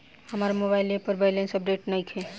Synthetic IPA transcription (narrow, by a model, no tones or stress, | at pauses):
həmaɾmobajlepəɾbʱajlensəp̚ɖeʈnəjkʰe